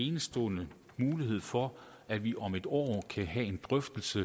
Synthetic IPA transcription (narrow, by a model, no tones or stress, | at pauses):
e̝ːnəsd̥ɔ̰ːnə | muːliɦe̝ð̞̰ˠfɒ̽ | æ̥ʋiʔɒ̽me̝d̥ɒ̰ːkʰæɦæe̝nd̥ʁœfd̥l̩sə